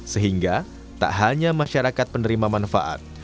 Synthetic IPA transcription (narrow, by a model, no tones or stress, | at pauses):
səɦiŋɡa | t̪a̰ʔɦaɲamaʃaɾakat̪̚pənəɾimamanfaʔa̰t̪̚